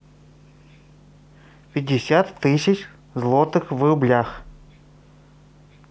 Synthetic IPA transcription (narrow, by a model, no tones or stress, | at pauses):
pʲɪdʲɪsʲat̪ːɨsʲɪt͡ʃ | zlˠot̪ɨxvrʊblʲax